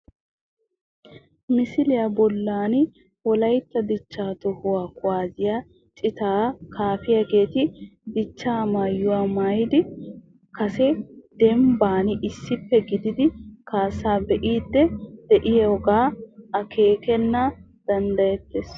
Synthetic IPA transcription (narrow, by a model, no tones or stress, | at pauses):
mɪsɪlɪjɐbɔlːaːn | wɔlɐjt̪ːɐd̪ɪt͡ʃːaːt̪ɔhʊwaːkʼʊwaːzɪja | t͡ʃʼɪt̪aːkʰaːfɪjaɡe̞ːt̪ɪd̪ɪt͡ʃːaːmaːjːʊwaːmaːjɪd̪ɪ | kʰɐsɛd̪̥ɛmbaːnɪʔɪsːɪpːɛɡɪd̪ɪd̪ɪkaːsaːbɛʔiːd̪ːɛd̪̥ɛʔɪjɛɔɡaːɐkʰeːkɛnːɐ | d̪̥ɐnd̪ɐjɛt̪ːes